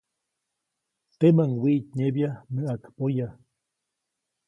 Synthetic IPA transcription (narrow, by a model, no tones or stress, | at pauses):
t̪emaŋwiʔt̪ɲebjaməʔakpoja